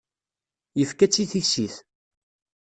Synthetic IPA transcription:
jəfkæt͡sːiθiçsiθ

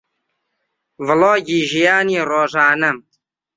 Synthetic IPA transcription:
vɨloːɡiːʒijaːniːroːʒaːnəm

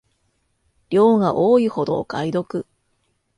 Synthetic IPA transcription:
ɾʲo̞ːɡaʔoːiho̞d̪o̞̰kaid̪o̞kɯ̟

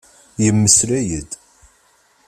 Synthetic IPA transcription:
jəmːəslæjəd̪

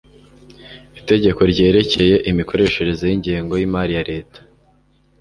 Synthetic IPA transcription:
ite̞ɟe̞ko̞ɾɟe̞ːɾe̞ce̞je̞ʔimiko̞ɾe̞ʃe̞ɾe̞zojiɲɟiːŋɡo̞jimaɾijaɾeːtḁ

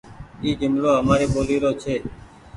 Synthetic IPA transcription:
iːɡʱɪmloːɦəmaːɾeːɓoːliːɾoːt͡ʃʰeː

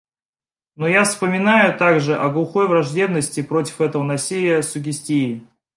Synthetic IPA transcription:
nujafspəmʲɪnajʊt̪aɡʐɨʔɐɡlˠʊxo̞jvrɐʐdʲe̞bnəsʲtʲɪpɾo̞tʲɪ̥fɛt̪əvənɐsʲilʲɪjəsʊɡʲɪsʲtʲiɪ

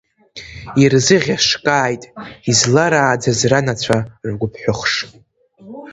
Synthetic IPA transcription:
irzɨʁʲaʂkʼaːjtʼizlaɾaːd͡zazranat͡ɕʷʰarɡʷʊpʰħʷʊχʂ

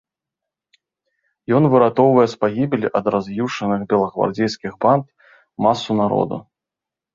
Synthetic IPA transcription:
jɔnvɨɾat̪ɔwvɐjɛspaɣʲibʲelʲiʔɐd̪razjuʂɐnɨxbʲɛlˠɐɣva̰rd͡zʲejskʲiɣbant̪ | masːunaɾɔ̰d̪ṵ

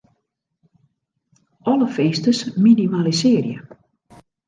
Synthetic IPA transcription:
ɔləfeːstəsminimalisɪərjə̰

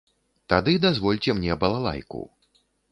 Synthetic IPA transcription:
t̪ad̪ɨd̪azvɔlʲt͡sʲɛmnʲɛbɐlˠalˠa̰jkṵ

